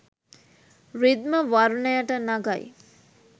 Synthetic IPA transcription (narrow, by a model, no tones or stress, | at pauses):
rid̪məʋaɾɳəjaʈənaɡaj